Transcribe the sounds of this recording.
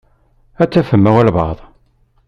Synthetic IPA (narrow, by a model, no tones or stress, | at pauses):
æt͡sːæfəmːæwælβɑ̰ðˤ